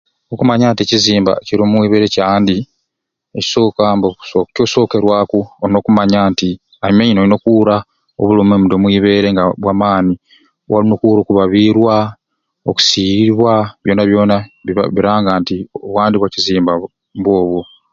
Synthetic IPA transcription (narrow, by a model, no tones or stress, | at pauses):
okumaɲaːnteciziːmba̰ciɾoːmwiːβe̞ːɾe̞caːndi | eci̥so̞ːkamboocoːso̞ːke̞ɾwaːkuoɾno̞ːkumaɲaːnti | aimeɲinolino̞kuɾa | o̰βulomemudomwiːβe̞ːɾeŋɡaβwaːmaːni | wa̰linokuːɾo̞ːkuβaβiːɾwa | oku̥siβwaβjo̞ːnaβjo̞ːnaiβa̰βiɾaːŋɡaːntioβwaːndiβwaciziːmba | mbwo̞ːβwo